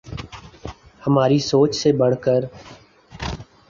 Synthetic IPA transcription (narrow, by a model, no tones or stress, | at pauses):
həmaːɾiːsoːt͡ʃseːbəɽ̤kəɾ